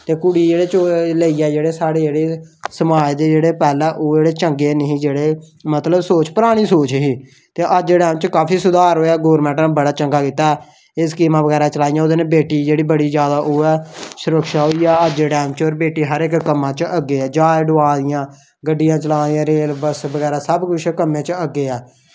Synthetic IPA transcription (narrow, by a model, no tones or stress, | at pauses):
t̪eːkʊɽiːd͡ʒeːɽeːt͡ʃoləiːɛːd͡ʒeːɽeːsaːɽeːd͡ʒeːɽeːsəmaːjd̪eːd͡ʒeːɽeːpɛːlɛ̃ːʔoːd͡ʒeːɽeːt͡ʃəŋɡeːnəɦĩːd͡ʒeːɽeː | mət̪ləbsoːt͡ʃpəɾaːɽ̃iːsoːt͡ʃɦiː | t̪eːʔəd͡ʒeɽɛːmt͡ʃkaːpʰiːsʊd̪aːɾɦoːaːɡoːɾmɛ̃ːʈnabəɽaːt͡ʃəŋɡaːkiːt̪aː | ɪskiːmãːbəɡɛːɾaːt͡ʃəlaːijãːʊd̪eːneːbeːʈiːd͡ʒeːɽiːbəɽiːd͡ʒjaːd̪aːʔoːɛːsʊɾəkʃaːɦoːiːjaːəd͡ʒɖɛːmt͡ʃoːɾbeːʈiːɦəɾɪkkəmːãːt͡ʃəɡeːɛːd͡ʒaːjɖʊaːd̪ɪjãː | ɡəɖːɪjãːt͡ʃəlaːijãːɾeːlbəsbəɡɛːɾaːsəbkʊt͡ʃʰkəmːẽːt͡ʃəɡːeːɛː